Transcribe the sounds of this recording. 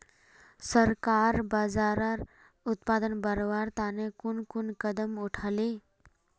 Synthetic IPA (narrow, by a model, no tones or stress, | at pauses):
səɾkaɾbad͡zaɾaɾ | ut̪pad̪ənbəɾʋaɾt̪anekunkunkəd̪əmuʈʰale